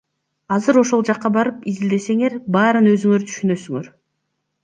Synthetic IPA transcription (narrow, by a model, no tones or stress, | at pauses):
ɑzɯɾo̞ʃo̞lˠd͡ʒɑqːɑbɑɾɯpizild̪e̞se̞ŋe̞ɾbɑːɾɯnø̞zyŋøɾt̪ʰy̥ʃynø̞syŋøɾ